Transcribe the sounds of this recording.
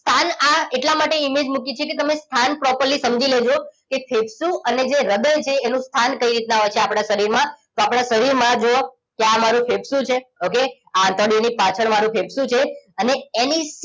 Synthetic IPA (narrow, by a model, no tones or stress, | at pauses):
st̪ʰanaeʈlamaʈeimed͡ʒmukit͡ʃʰeket̪əmest̪ʰanpɾɔpəɾlisəmd͡ʒiled͡ʒokefʰebsũəned͡ʒeɾəd̪əjt͡ʃʰeːnũst̪ʰankəiɾit̪naɦojt͡ʃʰeapɽ̃aʃəɾiɾmãt̪oapɽ̃aʃəɾiɾmãd͡ʒoo | keamaɾũfʰebsũt͡ʃʰeoke | aə̃t̪ɔɽionipat͡ʃʰəɭmaɾũpʰebsũt͡ʃʰeəneenis